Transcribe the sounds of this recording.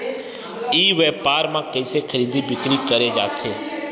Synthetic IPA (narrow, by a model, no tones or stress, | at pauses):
iʋɛpaɾmãkəjsekʰəɾid̪ibɪkɽikəɾed͡ʒaːt̪ʰeː